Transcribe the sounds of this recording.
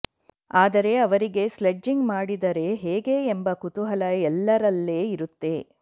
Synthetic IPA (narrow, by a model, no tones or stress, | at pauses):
aːd̪ɐɾe̞ɐʋɐɾiɡe̞sled͡ʒːiŋɡmaːɽid̪ɐɾe̞ɦeːɡe̞embɐkut̪uɦɐlɐɛlːɐɾɐlːe̞ːiɾut̪ːe̞